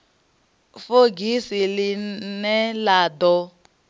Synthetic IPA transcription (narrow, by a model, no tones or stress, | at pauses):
foɡisilinɛlaːdɔ